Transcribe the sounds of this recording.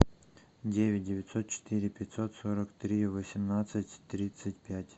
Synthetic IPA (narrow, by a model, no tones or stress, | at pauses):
dʲevʲɪt̚ʲdʲɪvʲɪt̪sot̪̚t͡ɕɪ̥t̪ɨɾʲɪpʲɪt̪ʲsot̪soɾəkt̪ɾʲivəsʲɪmnat̪sɨtʲt̪ːɾʲit̪sɨtʲpʲætʲ